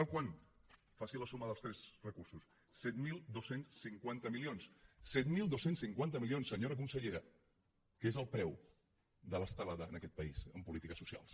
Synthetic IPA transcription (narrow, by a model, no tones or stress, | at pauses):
t̪alˠkwan | fasiləsuməðəlˠst̪ɾɛzrəkursus | sɛt̪milˠd̪osensːiŋkwant̪əmilionssɛt̪milˠd̪osensiŋkwant̪əmilionsːəɲoɾək̬unsəʎeɾə | kezəlˠpɾɛw | d̪ələst̪əlaðəːnəkɛt̪̚pəizəmpulit̪ikəsusia̰lˠs